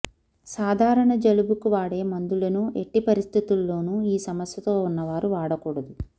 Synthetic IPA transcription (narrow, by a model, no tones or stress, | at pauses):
saːd̪ʱaːɾɐɳɐd͡ʒɐlubukuʋaːɽe̞ːmɐnd̪ulɐnuʔe̞ʈːipɐɾist̪ʰit̪ulːo̞ːnuiːsɐmɐsjɐt̪o̞ːunːɐʋaːɾuʋaːɽɐkuːɽɐd̪u